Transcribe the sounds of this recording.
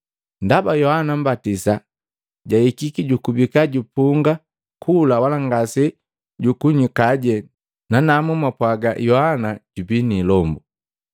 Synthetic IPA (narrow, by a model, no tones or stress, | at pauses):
ndabajɔhanam̩batisa | ɟaikikiɟukubikaɟupuŋɡa | kʰulawalaŋɡasɛ | ɟukuɲikaɟɛ | nanamumapwaɡajɔhanaɟ̥ubinilɔmbu